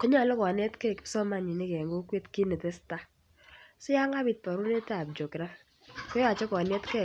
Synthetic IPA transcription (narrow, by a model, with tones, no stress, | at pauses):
kɔ˦ɲa˦˨lɔ˦kɔ˨ne˦tkɛ˦˨ksɔ˦ma˦ɲi˨nɪ˦kɛ˨ŋɡo˦kwe˦tki˦ne˨tɛ˦sta˦ | sɔ˦ja˦ŋa˦bi˨t̚pa˨ɾu˦ne˦tɛ˦a˨b̚d͡ʒo˨kɾa˦ | kɔ˦jɔ˦a˨t͡ʃɔ˦kɔ˨ne˦tkɛ˦˨